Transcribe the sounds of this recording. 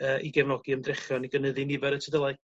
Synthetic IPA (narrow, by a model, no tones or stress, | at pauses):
əːʔiɡɛvnɔɡiəmdrɪχjɔniɡənəðɨnɪvɛɾətʰəðəlˠaɨ